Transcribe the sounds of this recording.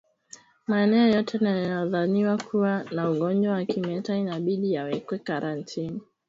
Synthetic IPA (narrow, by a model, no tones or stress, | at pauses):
maɛnɛɔjɔtʰɛnajɔðaniwakʰuwanauɠɔnd͡ʒwawakimɛtainaɓiɗijawɛkwɛkaɾʔantʰini